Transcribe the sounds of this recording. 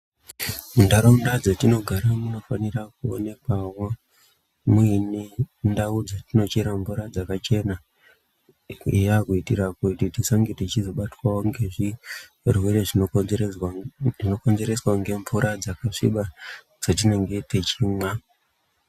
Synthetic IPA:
mundaɾoundad͡zatino̞ɡʱaɾamuno̞fanirak̚uo̰ne̞kwawo | mwinendaud͡zatino̞t͡ʃiɾaɱvuɾad͡zakat͡ʃe̞na | ijakuitiɾakutitisaŋɡetit͡ʃizo̞ɓatwawoŋɡeʐi | rweɾeʐi | ino̞ko̞nze̞ɾe̞swaŋɡe̞ɱvuɾad͡zakaʂḭɓa | d͡z̥at̬ine̞ŋɡe̞tet͡ʃimwa

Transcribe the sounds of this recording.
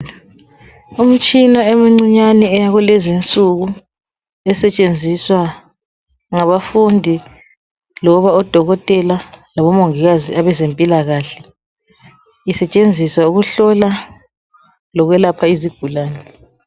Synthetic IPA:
um̩t͡ʃʼinaemiŋ͡ǀiɲanɛɛjaɣulɛzint͡sʼuɣu | ɛsɛt͡ʃʼend͡zʱiswa | ŋaβafundʱi | lɔβaɔd̥ʱɔɣɔtʼɛlalaβɔmoŋiɣaziaβɛzempʼilaɣaːɬɛ | isɛt͡ʃʼend͡zʱiswauɣuɬɔla | lɔɣwɛlapʰaiziɡ̥ʱulaːnɛ

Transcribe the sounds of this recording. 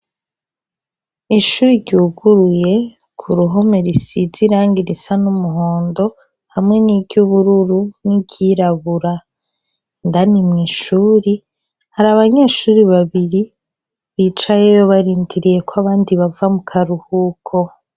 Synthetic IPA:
iʃuːɾiɾɟuːɡuɾuje̞ | kʰuɾuɦo̞meɾisiziɾaːŋɡiɾisanumuɦoːndo̞ | hamŋe̞nibɟuβuɾuɾunibɟiɾaβuɾa | ndanimŋiːʃuːɾi | haɾaβaɲeːʃuːɾiβaβiɾi | βiːt͡ʃajejoβaɾiːndiɾije̞kʰwaβaːndiβavamukʰaɾuhukʰo̞

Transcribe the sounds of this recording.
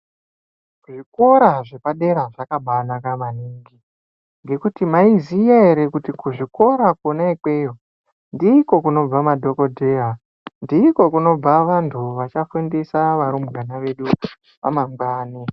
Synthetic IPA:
ʐiko̞ɾaʐe̞paɗe̞ɾaʐakaɓanakamaniːŋɡi | ŋɡe̞kutimaizijaeɾekutikuʐiko̞ɾakonaikeːjo | ndiːko̞kuno̞b͡vamadʱo̞ko̞dʱe̞ːɦa | ndiːko̞kuno̞b͡vaʋantʰuʋat͡ʃafundesaʋaɾumranaʋe̞ɗu | ʋa̰maŋɡaːne

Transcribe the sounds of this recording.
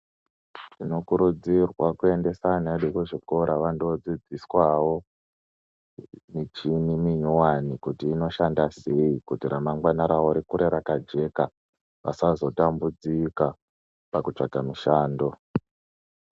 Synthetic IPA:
tino̞kuɾud͡zirwakue̞nde̞saneɗukweʐiko̞ɾʔaʋando̞d͡zid͡ziswawo̞ | mit͡ʃinimiɲuwanikutiːno̞ʃandaseikutiɾamaŋɡwanaɾaoɾikuɾeɾakad͡ʒe̞ka | ʋa̰sazo̞tambud͡zika | pakut͡ʂaɡʱamiʃaːndo̞

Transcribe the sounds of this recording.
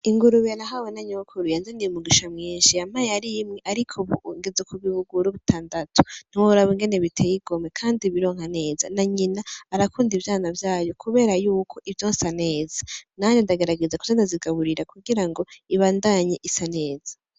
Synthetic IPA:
iŋɡuɾuβijanaɦawenaɲokʰuɾujanzeniumuɡiʃamŋiːnʃiamajeaɾijimŋeʔaɾikʰoβuŋɡezekʰuβiβuɡuɾuβutʰaːndatʰu̥n̥iwoβuɾaβoŋɡene̞βitʰejiɡo̞mekʰaːndiβiɾo̞ːŋ̥hane̞ːza̰naɲinaːɾakuːndivjaːnavjaːjo̞kʰuβe̞ːɾajuːkʰo̞ʔivjoːnsane̞ːzanaɲindaɡe̞ɾaɡe̞zaku̥zandaziɡaβuɾiɾakuɡiɾaŋɡo̞iβaːndaɲeʔisane̞ːz̥a

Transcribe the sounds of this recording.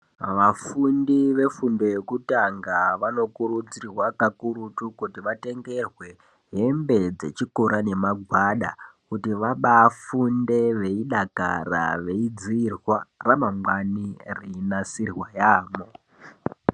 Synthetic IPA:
ʋafundiʋe̞fundo̞jekutaŋɡaʋano̞kuɾud͡zirwakakuɾutukutiʋate̞ŋɡe̞rwe̞ | ɦe̞mbe̞d͡ze̞̰t͡ʃikoɾane̞maɡʱwaɗa̰kutiʋaɓaːfunde̞ʋe̞iɗaka̰ɾa̰ʋe̞id͡ziːrwaramamwaniriinasirwajaːmo̞

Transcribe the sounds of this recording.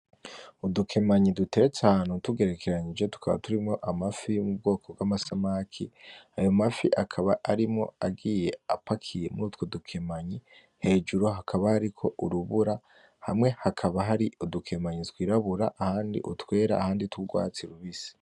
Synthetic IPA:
udukʰe̞maɲidute̞ɾet͡sahaːnhutuɡe̞ɾe̞kʰe̞ɾaɲid͡ʒetu̥kʰaβa̰tuɾimŋo̞ʔamafijomub̚ɡo̞ːkʰo̞bɡamasamaːkʰiajo̞mafiʔakʰaβaʔaɾimŋo̞̰aɡiːje̞apakʰije̞muɾuːtwodukʰe̞maɲi | he̞ːd͡ʒuɾoɦakʰaβahaɾikʰo̞ʔuɾuβuɾa | ha̰mŋe̞hakʰaβaɦaɾiudukʰe̞maɲitwiːɾaβuɾaʔahaːndḭʔutwe̞ːɾa̰ːhaːndituɡwa̰ːt͡siɾuβisi̥

